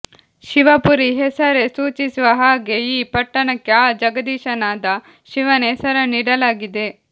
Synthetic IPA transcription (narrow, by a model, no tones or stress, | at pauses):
ʃiʋɐpuɾiɦɛsɐɾesuːt͡ʃisuʋɐɦaːɡe̞iːpɐʈːɐɳɐkːeaːd͡ʒɐɡɐd̪iːʃɐnaːd̪ɐ | ʃiʋɐnesɐɾɐniːɽɐlaːɡid̪e̞